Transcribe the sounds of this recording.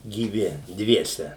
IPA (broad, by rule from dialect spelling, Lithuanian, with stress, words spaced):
ɡʲiːˈʋʲɪ ˈdʲʋʲiɛsʲɛ